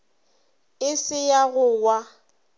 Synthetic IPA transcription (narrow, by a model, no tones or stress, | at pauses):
ɪsɪjaɣʊwa